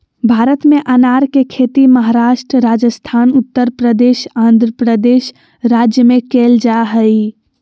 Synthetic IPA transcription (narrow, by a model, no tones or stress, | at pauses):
bʱaːɾət̪meʔənaːɾkekʰet̪iməɦaɾaːʃʈɾəɾad͡ʒəst̪ʰaːnʊt̪ːəɾpɾəd̪eːʃãːnd̪ʱɾəpɾəd̪eːʃ | ɾaːd͡ʒjəmẽkeːld͡ʒaɦəi